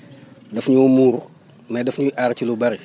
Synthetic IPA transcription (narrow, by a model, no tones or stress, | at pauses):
dɐfɲumuːr | mɐdɛfɲuʔaɾcilubɐɾi